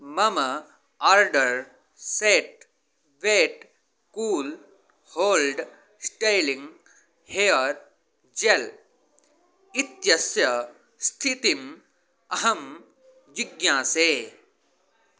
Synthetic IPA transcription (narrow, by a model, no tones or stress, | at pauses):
mɐmɐ | aːɾɖɐɾ | seːʈ̚ | ʋeːʈ | kuːl | hoːlɖ | sʈejlĩŋɡ | heːɐɾ | d͡ʒel | it̪jɐsjɐ | st̪ʰit̪im | ɐɦɐm | d͡ʒiɡjãːseː